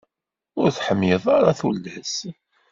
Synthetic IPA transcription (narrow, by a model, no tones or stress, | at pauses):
ʊɾθħəmːeðˤaɾaθulːæs